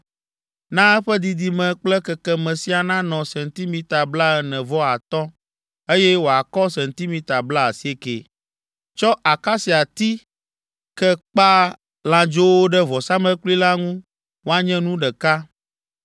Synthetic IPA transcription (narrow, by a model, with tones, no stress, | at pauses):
nã˦ɛ˦ɸɛ˦d̪i˨d̪i˨mɛ̃˨k͡plɛ˦kɛ˨kɛ˦mɛ̃˨si˦a˨nã˦nɔ̃˨sɛ˨nt̪i˦mĩ˨t̪a˨bla˦ɛ˨nɛ̃˨vɔ˦a˨t̪ɔ˦ | e˦jɛ˦wo˨a˨kɔ˦s̬ɛ̃˨nt̪i˦mĩ˦t̪a˨bla˦a˨si˦e˦kḛ˨ | t͡ʃɔ˦ʔa˨ka˦si˨a˨t̪i˦ | kɛ˦k͡pa˦ | lã˨d͡ʒo˦wo˦ɖɛ˦vɔ˨sa˦mɛ̃˦kuli˦la˦ŋũ˦ | wo˦a˨ɲɛ̃˦nũ˦ɖɛ˨ka˦